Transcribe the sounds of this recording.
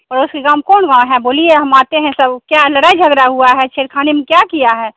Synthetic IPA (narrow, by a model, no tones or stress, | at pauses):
ɔɾʊskekaːmkɔːnɡãɦɛboːlieɦɐmaːt̪eɦɛ̃sɐbkjaləɽaːid͡ʒʱəɡɾaɦuaɦɛt͡ʃʰeːɾkʰaːnemẽkjakijaɦɛː